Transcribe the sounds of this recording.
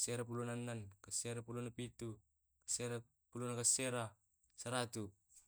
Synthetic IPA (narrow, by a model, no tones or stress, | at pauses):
seɾap̬ulonanːankaseɾapulonapitu | kḁseɾa | pulonakaseɾa | saɾatu